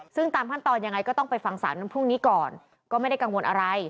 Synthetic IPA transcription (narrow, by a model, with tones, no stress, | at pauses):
sɯ˥˩ŋt̪aː˧mkʰa˥˩nt̪ɔː˧nja˧ŋːa˧jkɔː˥˩t̪ɔ˥˩ŋpa˧jfa˧ŋsa̰ː˩˦n˧˥˨pʰu˥˩ŋniː˦˥kɔː˨˩n | kɔː˥˩ma˥˩jda˥˩ka˧ŋwo˧nʔa˧ɾa˧j